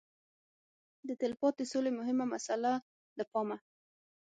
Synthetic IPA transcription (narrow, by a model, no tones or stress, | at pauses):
d̪ət̪ɪlpɑt̪̚d̪əsolemʊɦɪmamasala | d̪əpɑma